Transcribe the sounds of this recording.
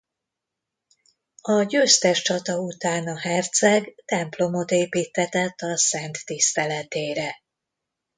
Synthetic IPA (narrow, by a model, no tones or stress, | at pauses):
ɒɟøːst̪ɛʃt͡ʃɒt̪ɒut̪aːnɒɦɛrt̪sɛɡt̪ɛmplo̞mo̞t̪eːpiːt̪ʰːɛt̪ɛt̪ːɒsɛnt̪ːist̪ɛlɛt̪eːɾɛ